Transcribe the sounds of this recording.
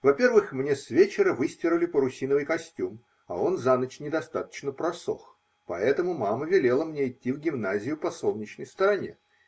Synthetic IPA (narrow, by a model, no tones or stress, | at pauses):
vɐpʲe̞rvɨxmnʲe̞sʲvʲet͡ɕɪɾəvɨsʲtʲɪɾʊlʲɪpəɾʊsʲinəvɨjkɐsʲtʲum | ɐ̰o̞nzanət͡ɕnʲɪd̪ɐst̪at̪ə̥t͡ɕnəpɾɐso̞̰x | pɐɛt̪əmʊmaməvʲɪlʲe̞lˠəmnʲeɪtʲːivɡʲɪmnazʲɪjʊpɐso̞lˠnʲɪt͡ɕnəjst̪əɾɐnʲe̞̰